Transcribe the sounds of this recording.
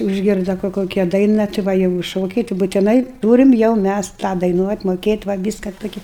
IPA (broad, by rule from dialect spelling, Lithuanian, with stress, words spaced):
ʊʒʲˈɡʲɪrdɐ kʊr ˈkoːkʲɛ ˈdɐɪnɐ tʲɪ ˈʋɐ jɛʊ ɪ ˈʃoːkʲɛɪ tʲɪ bʊtʲɪˈnɐɪ ˈtuːrʲɪm jɛʊ ˈmʲæs tɑː dɐɪˈnuɔtʲ moːˈkʲeːtʲ ʋɐ ˈʋʲiːskɐ ˈtoːkʲɛ